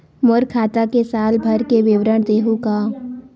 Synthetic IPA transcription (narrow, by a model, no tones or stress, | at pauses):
mʊɾkʰaːt̪akesaːlbʱɐɾkeʋɪwɾəɳ̃d̪eːɦukaː